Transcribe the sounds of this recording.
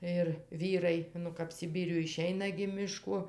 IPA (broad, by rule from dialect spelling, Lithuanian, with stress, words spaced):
ɪr ˈʋʲiːrɐɪ ˈnʊ kɐp sʲɪˈbʲiːrʲʊj ɪˈʃʲɛɪnɐ ɡʲɪ mʲɪˈʃkoː